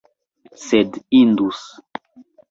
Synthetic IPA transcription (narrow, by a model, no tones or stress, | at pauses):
sedind̪us